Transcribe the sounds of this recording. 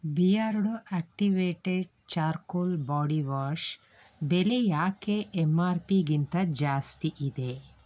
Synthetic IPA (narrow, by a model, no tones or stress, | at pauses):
biaːɾuɽuʔak̚ʈiʋeːʈeɖ̚ | t͡ʃaːɾkolbaːɽiʋaːɾʂ | belejaːkeʔːmaːɾpiɡint̪ɐd͡ʒaːst̪iʔid̪e